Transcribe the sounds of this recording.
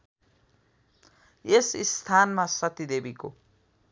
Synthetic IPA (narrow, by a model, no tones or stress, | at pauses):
esist̪ʰanmasʌt̪id̪ebiko